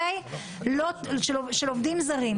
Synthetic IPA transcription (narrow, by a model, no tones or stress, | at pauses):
aj | loʃeloʃelovd̪imzaʁim